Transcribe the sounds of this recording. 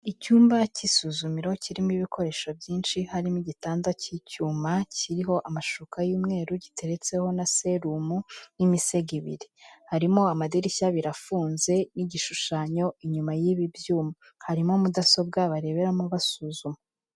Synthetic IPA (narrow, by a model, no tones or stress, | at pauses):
icuːmbacisuzumiɾo̞ciɾimiβikʰo̞ɾe̞ːʃobjiːnʃihaɾimiɟitaːndacicuːmacʰiɾiɦo̞ʔamaʃukʰajuːmŋe̞ːɾuɟitʰe̞ɾe̞t͡se̞ho̞nase̞ɾumunimise̞ɡiβḭɾihaɾimo̞amadiɾiçaβiɾafuːnze̞niɟiʃuʃaɲo̞iɲumajiβibjuːmu | haɾimo̞mudaso̞b̚ɡaβaɾe̞βeɾamuβasuːzume